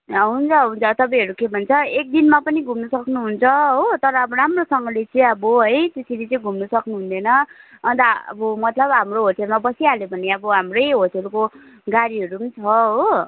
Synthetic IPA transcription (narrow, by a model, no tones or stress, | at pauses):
ɦunt͡sʰʌɦunt͡sʰʌt̪ʌpãɦʌɾukebʱʌnt͡sʰʌek̚d̪inmapʌniɡʱumnʌsʌknuɦunt͡sʰʌɦot̪ʌɾʌːbʌɾamrosʌŋɡʌlet͡sʌj̃ʌboɦʌjt̪esʰilit͡sʌĩɡʱumnʌsʌknuɦund̪ʌjnʌːnt̪ʌʌ̰bʌmʌt̪lʌbɦamroɦoʈelmabʌsialjebʱʌneʌbʌɦamrʌjɦoʈelko | ɡaɾiɦʌɾuʌnt͡sʰʌɦo